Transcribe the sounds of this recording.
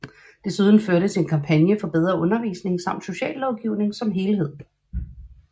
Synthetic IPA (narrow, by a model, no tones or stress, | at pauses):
d̥e̝suð̞ˠn̩føɐɾəsʰe̝nkʰɑ̈mpʰænjəfɒ̽b̥eð̞ˠʁɐʔɔ̽nɐʋḭːsne̝ŋsɑ̈m̰d̥so̝ɕɛ̰ːlːɒʊɡ̥iʊne̝ŋsɒ̽mɦe̝ːlɦe̝ð̰ˠ